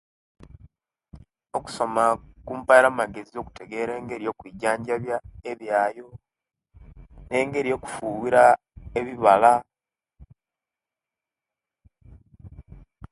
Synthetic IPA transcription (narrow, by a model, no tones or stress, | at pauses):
o̞ku̥so̞makuːmpajeɾamaɡe̞zio̞ku̥te̞ɡe̞ːɾe̞ːŋɡe̞ɾijo̞ːkwiɟaːɲɟaβjaeβjaːjo̞ | ne̞ːŋɡe̞ɾijo̞ku̥fuːwiɾa | eβiβala